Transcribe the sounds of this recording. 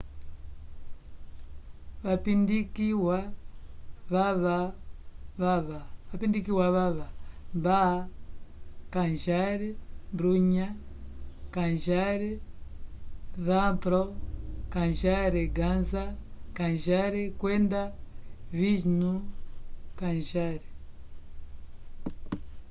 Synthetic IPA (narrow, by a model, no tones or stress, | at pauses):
βapindikiwa | βaβa | βaβaβapindikiwaβaβamba | kanʒaɾɛmbɾuɲa | kanʒaɾɛ | ɾampɾɔkanʒaɾɛɡanzakanʒaɾɛkwendaviʒnu | kanʒaɾɛ